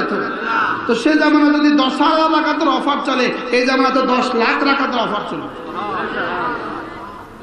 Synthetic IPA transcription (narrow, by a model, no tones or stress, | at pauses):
t̪ʰo | t̪osed͡ʒamɔned͡ʒɔd̪id̪ɔsaɾɾaɾakʰat̪ɔɾɔpʰaɾt͡ʃɔleejd͡ʒamɔnat̪ɔd̪ɔslakʈɾakʰat̪ɔɾɔpʰaɾt͡ʃɔle